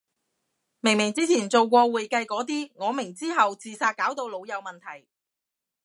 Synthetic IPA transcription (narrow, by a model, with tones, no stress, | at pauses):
mɪ˨˩ŋmɪ˨˩ŋt͡siː˥t͡sʰiː˨˩nt͡so˨wkʷɔː˧wuː˨˩jkɐ˧jkɔː˨˥t̪̬iː˥ŋɔː˨˧mɪ˨˩ŋt͡siː˥ɦɐ˨wt͡siː˨saː˧t̚kaː˨˥wt̪o˧wlo˨˧wjɐ˨˧wmɐ˨nt̪ʰɐ˨˩j